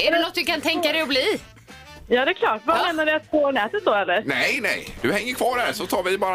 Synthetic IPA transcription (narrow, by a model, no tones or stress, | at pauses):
æɖɛnɔt̪̚ːd̪ɵkant̪ʰɛŋkad̪ɛjɔbliː | jɑːd̪ɛkʰlɑːʈvameːnaɖɪat̪̚ɡoːnɛːt̪ət̪̚d̪ɔɛlːəɾnɛjnɛ̰jd̪ɵhɛŋːəɾkʰvɑːɾhæɾsɔt̪ʰɑːɾvɪbɑːɾ